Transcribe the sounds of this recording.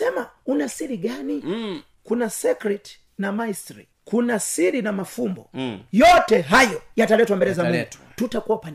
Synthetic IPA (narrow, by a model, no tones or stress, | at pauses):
ɛmaunasiɾiɠani | kunasɛkɾɛt | namaistɾi | kunasiɾinamafumbɔjɔtɛɦajɔjatalɛtwambɛɾɛzamiu̥tutakuapan